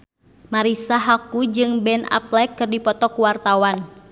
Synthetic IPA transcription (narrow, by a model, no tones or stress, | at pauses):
maɾisaɦakud͡ʒɨŋbɛna̰plɛkːɨrdipɔt̪ɔkuwart̪awan